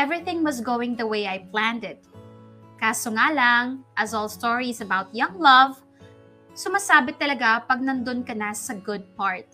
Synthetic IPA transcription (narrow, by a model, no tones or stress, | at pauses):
ɛvɹiθɪ̃ŋwɐsɡowɪ̃ŋðɐwejajplænd̪ɪt̪̚kaːsoŋaːlɐŋʔɐzɔlst̪oɹisɐbawt̪̚jɐŋlɐv | sʊmasaːbɪt̪ɐlɐɡapɐɡ̚nɐnd̪ʊnkɐnɐsɐɡʊd̪̚paɹt̪̚